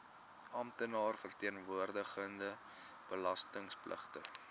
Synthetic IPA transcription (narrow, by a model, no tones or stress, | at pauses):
ɐmtənɑːrfərtiənvuərdəχəndəb̥əlɐstəŋsplʔə̰χtə